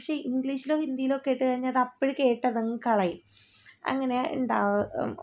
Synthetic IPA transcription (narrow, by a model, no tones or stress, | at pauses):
ɐkʂe̞iŋɡɭiːɕilo̞ːhind̪ijilokːejʈːɨkɐɻiɲːaɐðɐpːoɽike̞ːʈːɐðɐŋːɨkɐɭɐji | ɐ̰ŋːɐne̞ṵɳɖaːʋ